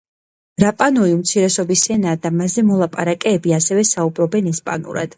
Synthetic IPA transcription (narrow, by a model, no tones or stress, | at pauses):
ɾapʼanɔiumt̪sʰiɾɛsɔbisɛnaːd̪amazɛmɔlˠapʼaɾakʼɛːbiasɛvɛsaubɾɔbɛnɛspʼa̰nṵɾa̰d̪̥